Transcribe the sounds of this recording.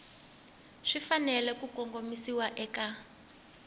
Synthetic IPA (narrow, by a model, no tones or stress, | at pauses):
ʂifanɛlɛkukɔŋɡomisiwaʔɛka